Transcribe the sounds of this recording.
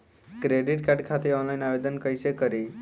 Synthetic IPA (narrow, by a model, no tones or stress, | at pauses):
kɾeɖiʈkaɖkʰat̪eɔnlainaʋed̪ənkəjsekəɾi